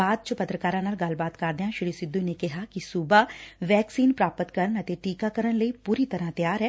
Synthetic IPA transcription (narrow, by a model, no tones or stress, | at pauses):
aːd̪̚t͡ʃɐpɐt̪ɾəkaːɾãːnaːlɡɐlbaːt̪kaːɾd̪eãʃɪɽisɪd̪ːunekɛɦakisubaʋɛːksiːnpɾaːpət̪kɐɾənɐt̪eʈiːkakɐɾəñlɐipuːɾit̪ɐɾat̪jaːɾɦɛː